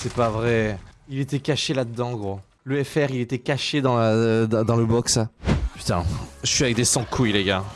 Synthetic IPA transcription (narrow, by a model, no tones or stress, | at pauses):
sɛpavʁɛilet̪ɛkaʃelad̪əd̪ɑ̃ɡʁo | ləɛfɛʁilet̪ɛkaʃed̪ɑ̃d̪ɑ̃d̪ɑ̃ləbɔksapy̥t̪ɛ̰̃ʒəʃɥiavɛk̚d̪esɑ̃kʰujleɡa